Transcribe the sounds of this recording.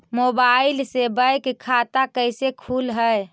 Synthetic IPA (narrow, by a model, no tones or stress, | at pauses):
mobailsebəjkkʰːat̪akəjsekʰulɦəj